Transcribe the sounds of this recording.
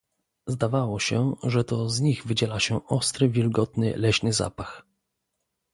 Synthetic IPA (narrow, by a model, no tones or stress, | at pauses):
zd̪avawɔɕɛʐɛt̪ɔzɲiɣvɘd͡ʑɛlaɕɛʔɔst̪ɾɘvʲjɛlɡɔt̪nɘ̰lɛɕnɘza̰pax